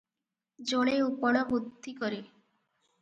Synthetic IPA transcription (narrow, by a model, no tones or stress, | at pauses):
d͡ʒoɽ̃eupɔɽ̃ɔbud̪ʱːikɔɾi